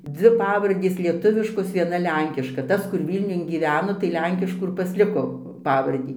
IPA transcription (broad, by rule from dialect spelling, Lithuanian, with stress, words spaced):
ˈd͡zʲʋʲɪ ˈpɑːʋɐrʲdʲeːs lʲiɛˈtʊʋʲɪʃkoːs ʋʲiɛˈnɐ ˈlʲɛŋʲkʲɪʃkɐ ˈtɐs kʊr ˈʋʲiːlʲnʲʊn ɡʲiːˈʋʲæːnoː tɐɪ ˈlʲɛŋʲkʲɪʃkuː ɪr pɐsʲˈlʲɪkoː ˈpɑːʋɐrʲdʲiː